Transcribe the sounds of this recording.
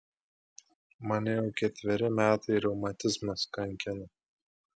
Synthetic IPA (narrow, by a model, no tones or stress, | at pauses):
mɐnʲɪjɛʊkʲɛt̪ʲʋʲɪɾʲɪmʲæːt̪ɐɪɾʲɛʊmɐt̪ʲɪzmɐskɐŋʲkʲɪnɐ